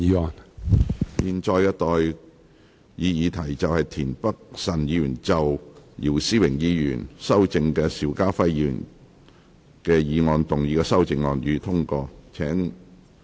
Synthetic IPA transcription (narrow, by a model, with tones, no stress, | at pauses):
iː˨˧ɔː˨˧n | jiː˨˩nt͡ʃɔː˧jkɛ˧t̪ɔː˨j | jiː˨˧jiː˨˧t̪ʰɐ˨˩jt͡sɐ˨whɐ˨jt̪ʰiː˨˩npɐ˥k̚sɐ˨˩njiː˨˧jyː˨˩nt͡sɐ˨wjiː˨˩wsiː˥wɪ˨˩ŋjiː˨˧jyː˨˩nsɐ˥wt͡sɪ˧ŋkɛː˧siː˨˧˥wkaː˥fɐ˥jiːi˧ɥy̰˨˩n | kɛː˧jiː˨˧ŋɔː˨˧nt̪ʊ˨ŋjiː˧kɛː˧sɐ˥wt͡sɪ˧ŋːɔː˨˧njyː˨˧t̪ʰʊ˥ŋkɔː˧t͡sʰɛː˨˥ŋ